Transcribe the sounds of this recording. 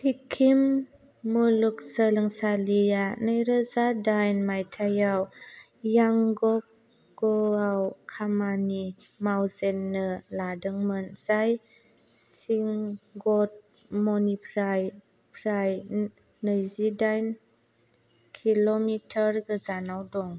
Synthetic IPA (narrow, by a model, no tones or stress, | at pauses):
tʰikʰːimː | uluk̚sələŋsalianəjɾəzadajnmajtʰajaw | jaŋɡɔp̚ | ɡ̥ɔawkʰamani | mawzɛnːəladɯŋmɯnz̥aj | s | iŋɡɔt̚ | mɔnipʰɾaj | pʰɾaj | nəjzidajn | kʰilɔmitʰəɾɡəzanawdɔŋ